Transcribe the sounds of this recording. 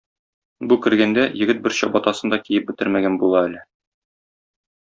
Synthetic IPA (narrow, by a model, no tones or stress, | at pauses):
bukɘ̆ɾɡænd̪æjɘ̆ɡɘt̪̚bɘɾɕɒbɒt̪ɑsɤnd̪ɒkijɘp̚bɘ̆t̪ɘɾmæɡænbulˠɑælɘ